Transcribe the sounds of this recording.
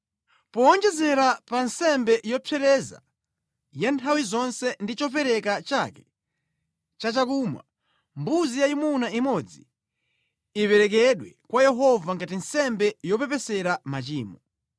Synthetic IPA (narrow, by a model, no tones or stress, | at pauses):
pɔːnd͡ʒɛzɛɾapansɛmbɛjɔpʰɛɾɛza̰ | jantʰawizɔnsɛndit͡ʃɔp̬ɛɾɛkat͡ʃakɛ̥ | t͡ʃat͡ʃakuːmwa̰ | mbuzijaimunaimɔd͡zi | ipɛɾɛkɛɗwɛkwajɛɦɔvaŋɡatinsɛmbɛjɔpɛpɛsɛɾamat͡ʃiːmɔ